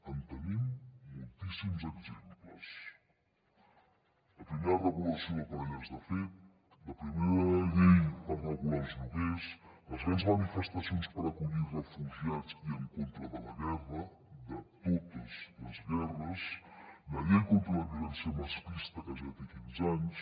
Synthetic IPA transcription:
ɐnt̪ənimmulˠt̪isimzəkzempləs | əpɾimeɾɐɾəβulɐsiokomɛʎazðəfet̪̚ | lɐpɾimeɾəʎejəraɣualˠznuɣeslɐzɣanzmanifəst̪asjonspəɾakuʎirəfuʒiat͡siəŋkont̪ɾɐðəlɐɣɛrə | ðət̪ot̪əzlɐzɣɛrəslɐʎejkont̪ɾɐlɐɣiɾɐnsiɐmaspist̪ɐkaʒaðt̪ekinzaɲs

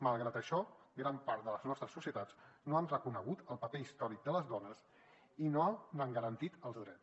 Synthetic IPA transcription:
məlˠɣɾat̪əʃɔɡɾampaɾt̪̚d̪ələznɔst̪ɾəsusiət̪ad͡znoamrəkunəɣ̞ut̪əlˠpəpeist̪ɔɾik̚d̪ələzðɔnəs | inonaŋɡəɾənt̪it̪əlˠzðɾɛt͡s

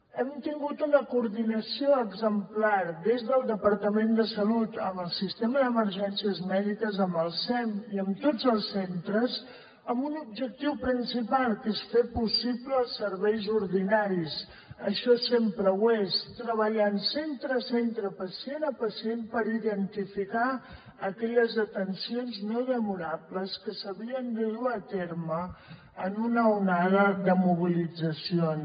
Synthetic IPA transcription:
ɛmt̪iŋɡut̪unəkuːɾðinəsioəɡzəmplaɾd̪ezðəlˠd̪əpəɾt̪əmend̪əsəlut̪əməlˠsist̪eməðəməɾʒɛnsiəzmɛðikəzəmbəlˠsɛmiəmt̪od͡zəlˠsːent̪ɾəz | əmbunub̚ʒək̚t̪iwpɾinsipalˠkesfepusipləːlˠsːəɾβɛjzuɾðinaɾis | əʃɔsempɾəwest̪ɾəβəʎansent̪ɾəsent̪ɾəpəsienəpəsienpəɾiðənt̪ifika | əkɛʎəzðət̪ənsionznoðəmuɾapləskəsəβiənd̪əðuət̪eɾməː | nunəunaðəðəmuβ̞ilid͡zəsion

